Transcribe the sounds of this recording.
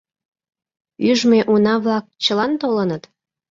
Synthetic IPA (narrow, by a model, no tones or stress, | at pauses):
yʒmeʔunɑβlɑk̚t͡ɕəlɑnt̪olənət̪